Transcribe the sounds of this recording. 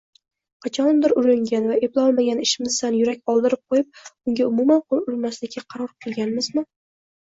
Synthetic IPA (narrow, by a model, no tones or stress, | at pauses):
qʰɑt͡ʃʰɒnmd̪ɪɾʊɾɪŋɡʲanvaeplˠɒlˠmaɡʲanɪʃɪmɪzsanjʊɾakʲɒlˠd̪ɪɾɪp̚qʰojɪp̚ʊŋɡʲaʊmumanqʰolˠʊlˠmaslɪkʲʰːaqʰɑɾɒɾqʰɨlˠɡʲanmɪzmɪ